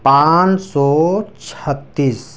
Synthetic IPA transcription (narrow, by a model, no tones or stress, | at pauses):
pãnsɔːt͡ʃʰət̪ːis